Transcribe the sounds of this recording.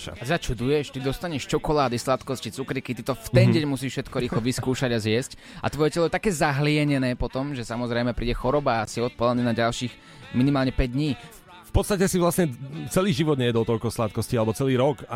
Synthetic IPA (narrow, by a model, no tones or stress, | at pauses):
a̰atɛd̪at͡ʃud̪ujɛʃt̪id̪ɔst̪aɲɛʃt͡ʃɔkɔlaːd̪islat̪kɔscit͡sukɾikit̪it̪ɔft̪ɛnɟɛɲmusiːʃfʃɛt̪kɔɾiːxlɔʋiskuːʃaɟazʋɪɛsc | a̰t̪ʋɔjɛcɛlɔjɛt̪akɛːzaɦlɪɛɲɛnɛːpɔt̪ɔmʒɛsamɔzɾɛjmɛpɾiːɟɛxɔɾɔbaːsiɔt̪̚pɔlaniːnaɟalʃiːx | minimaːlɲɛpɛɟ̚d̪ɲiː | fpɔt̪st̪acɛsiʋlasɲɛt͡sɛliːʒiʋɔd̪ɲɛjɛd̪ɔlt̪ɔlkɔslat̪̚kɔscialɛbɔt͡sɛliːɾɔka